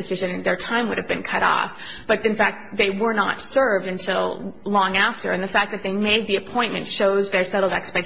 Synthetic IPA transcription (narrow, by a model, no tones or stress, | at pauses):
ɨsɪʒɨ̃nɨ̃nðə˞tʰãɪ̃mwʊɾɨvbɨ̃nkʰʌɾɔ̰f | b̥ʌt̪̚ɨ̃nfæk̚t̪̚ðeɪwə˞nə̰tsɜ˞vdɨ̃ntʰɪlˠlɔ̃ŋæftə̰˞ɨ̃nðɨfæk̚ðɨt̪̚ðeɪmeɪd̪̚ðiɨpʰɔ̃ɪ̃nmɨ̰̃ntʃoʊzðə˞sɛɾl̩ˠdɛkspɛ